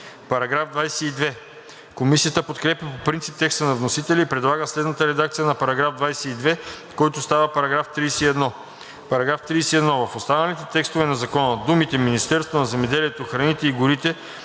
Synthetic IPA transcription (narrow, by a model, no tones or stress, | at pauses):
pɐɾɐɡɾavd̪vajsɛid̪vɛ | komisijət̪əpot̪kɾɛpjɐpopɾint̪si̥p̚t̪ɛkst̪ənɐvnosit̪ɛlʲiipɾɛd̪lˠaɡəslɛd̪nət̪əɾɛd̪akt̪sijənɐpɐɾɐɡɾavd̪vajsɛid̪vɛ | kɔjt̪ost̪avəpɐɾɐɡɾaft̪ɾijsɛiɛd̪nɔ | pɐɾɐɡɾaft̪ɾiːsɛiɛd̪nɔvɐfost̪anəlit̪ɛt̪ɛkst̪ovɛnɐzɐkɔnəd̪umit̪ɛminist̪ɛɾst̪vonɐzɛmɛd̪ɛliɛt̪oxɾɐnit̪ɛiɡʊɾit̪ɛ